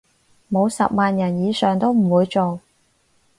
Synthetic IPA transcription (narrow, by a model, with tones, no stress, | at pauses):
mo˨˧wsɐ̰˨p̚maː˨njɐ˨˩njiː˨˧sœː˨˩ŋt̪o˥wm̩˨˩wuː˨˧jt͡so˨w